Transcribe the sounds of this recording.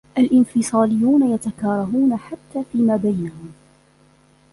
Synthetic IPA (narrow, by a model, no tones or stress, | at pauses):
ʔalʔɪnfɪsˤɑːlɪjːuːnajat̪akɑːɾˤɑɦuːnaħat̪ːaːfiːmaːbajnahʊm